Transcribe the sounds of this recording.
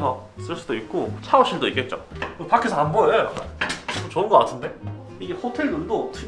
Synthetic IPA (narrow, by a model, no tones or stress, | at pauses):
sʰʌs͈ɯɭs͈udoik̚k͈ot͡ɕʰaoɭɕ͈ʰiɭdoik͈e̞t̚t͡ɕ͈o̰kpakʰesʰʌanboo | t͡ɕoɯnɡʌk͈atʰɯnde̞ | ihotʰe̞ɭdundotʰɯ